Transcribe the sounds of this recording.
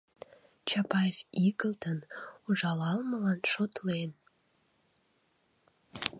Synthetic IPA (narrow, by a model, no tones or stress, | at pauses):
t͡ɕɑpɑjeviɡəlt̪ənuʒɑlɑlməlɑnʃot̪len